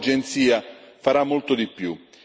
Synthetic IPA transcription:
d͡ʒɛnt̪siːafaɾamːolt̪od̪ipːju

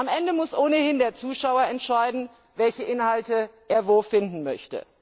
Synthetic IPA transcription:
ʔamʔɛndəmʊsʔoːnəhɪndeːɐt͡suːʃaʊɐɛntʃaɪdn̩ | vɛlçəʔɪnhaltəʔeːɐvoːfɪndn̩mœçtə̰

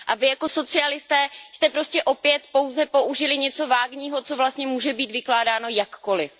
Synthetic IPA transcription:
ʔavɪjako̞so̞t͡sɪalɪst̪ɛːst̪ɛpɾo̞scɛʔo̞pjɛt̪po̞wzɛpo̞ʔuʒɪlɪɲɛt͡so̞vaːɡɲiːɦo̞t͡so̞vlast̪ɲɛmuːʒɛbiːt̪vɪklaːdaːno̞jakːo̞lɪf

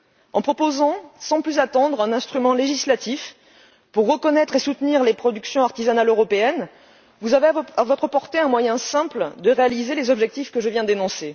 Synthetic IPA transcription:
ɑ̃pχɔpozɑ̃sɑ̃plyzat̪ɑ̃d̪ʁɛ̃nɛ̃st̪χymɑ̃leʒislat̪if | puʁːəkɔnɛt̪χesut̪niʁlepχɔd̪yksjɔ̃aʁt̪izanaløʁɔpeɛn | vuzaveavɔt̪χəpɔʁt̪eɛ̃mwajɛ̃sɛ̃pld̪əʁealizelezɔbʒɛk̚t̪ifkəʒəvjɛ̃d̪enɔ̃se

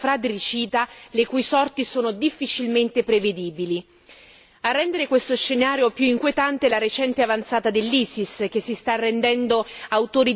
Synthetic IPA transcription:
fɾad̪ɾit͡ʃiːt̪alekujsɔrt̪isoːnod̪ifːit͡ʃilment̪epɾeved̪iːbili | arːɛnd̪eɾekwest̪oʃːenaːɾjopjuiŋkwiet̪ant̪elaɾet͡ʃɛnt̪eavant̪saːt̪ad̪elːiːsisk̟esːist̪arːend̪ɛnd̪oawt̪oːɾi

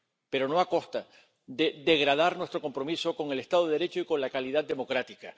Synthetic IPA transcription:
pe̞ɾo̞no̞ako̞st̪a | d̪ed̪e̞ɣɾað̞aɾnwest̪ɾo̞ko̞mpɾo̞miso̞ko̞ŋe̞le̞st̪aðoeɾe̞t͡ʃoiko̞nlakaliðad̪d̪e̞mo̞kɾat̪ika

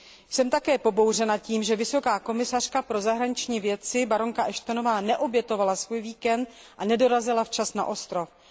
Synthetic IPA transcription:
jsɛmt̪akɛːpo̞bo̞wrɛnaciːmʒɛvɪso̞kaːko̞mɪsar̝̥kapɾo̞zaɦɾaɲɪt͡ʃɲiːvjɛt̪t͡sɪbaɾo̞ŋkaʔɛʃt̪ono̞vaːnɛʔo̞bjɛt̪o̞valasvuːjviːkɛnt̪̚ | ʔanɛdo̞ɾazɪlaft͡ʃasna̰ʔo̞st̪ɾo̞f

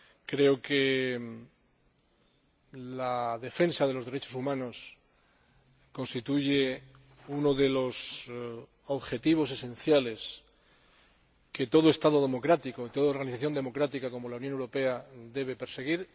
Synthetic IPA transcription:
kɾe̞oke | laðe̞fe̞nsaðe̞lo̞zðe̞ɾe̞t͡ʃo̞sumãno̞s | ko̞nst̪it̪uʝe | uno̞ðe̞lo̞s | oβxet̪iβ̞o̞s̬e̞sẽ̞n̟θjale̞s | ke̞t̪o̞ðoe̞st̪aðo̞ð̞e̞mo̞kɾat̪ikoit̪o̞ðaoɾɣaniθaθjo̞nd̪emo̞kɾat̪ikako̞mo̞launjonewɾo̞pe̞ad̪e̞β̞e̞pe̞ɾse̞ɣ̞iɾ

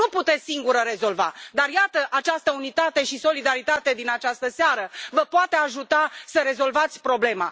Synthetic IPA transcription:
uput̪e̞t̪ssiŋɡuɾəɾe̞zo̞lva̰d̪arjat̪əʔat͡ʃast̪əunit̪at̪e̞ʃiso̞lid̪aɾit̪at̪e̞d̪inat͡ʃast̪əseaɾəvəpoat̪e̞aʒut̪asəɾe̞zo̞lvat̪sʲpɾo̞ble̞ma̰

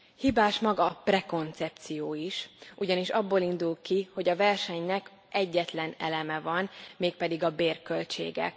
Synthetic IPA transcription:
hibaːʃmɒɡɒprɛko̞nt̪sɛp̚t̪sijoːiʃʔuɟɒniʃɒbːoːlind̪ulkiho̞ɟɒvɛrʃɛɲnɛk | ʔɛɟːɛt̪lɛnɛ̰lɛmɛvɒnmeːk̚pɛd̪iɡɒbeːrkø̞lt͡ʃḛːɡɛ̰k

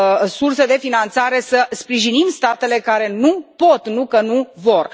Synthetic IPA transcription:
surse̞d̪e̞finant̪saɾe̞səspɾiʒinimst̪at̪e̞le̞kaɾe̞nupo̞t̪nukənuvo̞r

